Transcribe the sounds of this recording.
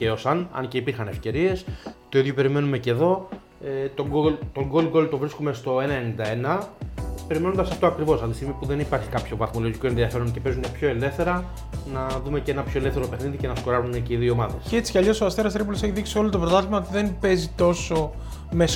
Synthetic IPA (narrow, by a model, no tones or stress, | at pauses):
ceosɐnɐ̰nce̞ipiɾxɐne̞fce̞ɾie̞st̪o̞iðʝope̞ɾime̞nume̞ce̞ðo̞ | et̪oŋɡolt̪o̞ŋɡolɡo̞lt̪o̞vɾiskume̞st̪o̞enɐenind̪ɐenɐpe̞ɾimnond̪ɐsɐft̪oɐkɾivo̞sɐft̪isiɣmipuðe̞nipɐɾçi̥kɐpço̞vɐθmo̞lo̞ʝikoe̞nðiɐfe̞ɾo̞ŋce̞pe̞zune̞pço̞ele̞fθe̞ɾɐ | nɐðume̞ceenɐpço̞eleθe̞ɾo̞pexniðice̞nɐsko̞ɾɐzune̞ceiðiooːmɐðe̞scet͡si̥ceɐʎo̞soɐst̪eɾɐst̪ɾipuloseçiðiksio̞lot̪opɾot̪ɐθizmɐot̪iðe̞npe̞zit̪o̞so̞ | mes